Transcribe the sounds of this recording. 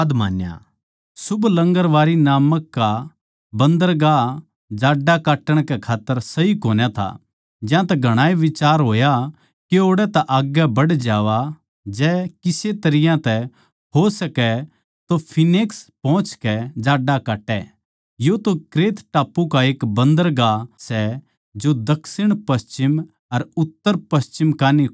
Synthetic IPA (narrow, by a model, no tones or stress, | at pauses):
d̪maːnja̰ | sʊblɐ̃ŋɡəɾʋaːɾinaːməkːa | bɐ̃nd̪əɾɡa | d͡ʒaːɖakaːʈːəɽ̃kɛkʰaːt̪ːəɾsɐɦikoːnjat̪ʰa̰ | d͡ʒjãt̪ɛɡʱɐɽ̃aːjʋɪt͡ʃaːɾɦoːja | kioːɽɛt̪aʔaːɡjɛbɐɽd͡ʒaːʋa | d͡ʒɛːkɪset̪ɐɾɪjãt̪ɛ | ɦosɐkɛ | t̪opʰɪneːkspɔ̃ːʊ̃t͡ʃkɛd͡ʒaːɖakaːʈːɛ | jot̪okɾeːt̪ʈaːpːukaeːkbɐ̃nd̪əɾɡasɛ | d͡ʒod̪ɐkʰsɪɽ̃pɐst͡ʃɪm | ɐɾʊt̪ːəɾpɐst͡ʃɪmkaːni